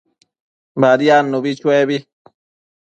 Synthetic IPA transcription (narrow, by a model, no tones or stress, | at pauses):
baɾianːuβit͡ʃueβi